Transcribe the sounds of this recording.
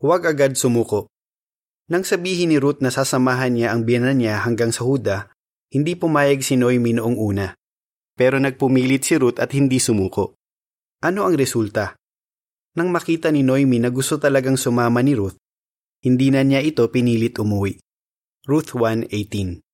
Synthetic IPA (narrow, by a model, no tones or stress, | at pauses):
wɐɡʔɐɡad̪̚sʊmuːko̞ʔ | nɐŋsɐbiːhɪnːɪɾut̪̚nɐsaːsɐmaːɦɐnɲaʔɐŋbɛnɐnɲaɦɐŋɡaŋsɐhuːd̪ɐ | hɪnd̪ipʊmaːjɐɡsɪno̞jminoʔoŋʔuːnɐ | pɛːɾo̞nɐɡ̚pʊmiːlɪt̪̚sɪɾut̪ɐt̪hɪnd̪isʊmuːko̞̰ʔ | ʔɐno̞ʔɐŋɾɛsult̪ɐ | nɐŋmɐkiːt̪ɐnɪno̞jminɐɡʊst̪ot̪ɐlɐɡaŋsʊmaːmɐnɪɾut̪̚ | hɪnd̪iːnɐnjaʔɪt̪o̞pɪniːlɪt̪ʔʊmuwiʔ | ɹut̪wanʔejt̪in